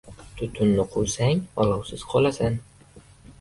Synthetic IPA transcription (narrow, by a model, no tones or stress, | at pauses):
t̪ʰʊt̪ʰʊnːɪqʰojsaŋbɒlˠɒwsɪz̥qʰɒlˠasan